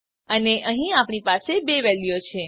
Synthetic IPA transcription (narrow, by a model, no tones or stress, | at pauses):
əneʔəɦĩapɳipasebeʋɛljot͡ʃʰe